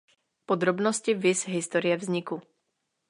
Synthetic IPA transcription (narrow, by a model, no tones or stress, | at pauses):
pɔd̪ɾɔbnɔscivizɦist̪ɔɾɪjɛvzɲiku